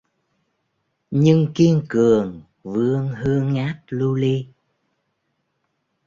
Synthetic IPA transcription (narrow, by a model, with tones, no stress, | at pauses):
ɲɨ˧ŋki˧əŋkɨ˨˩əŋ | vɨ˧əŋɦɨ˧əŋːaː˦˥t̚lu˧li˧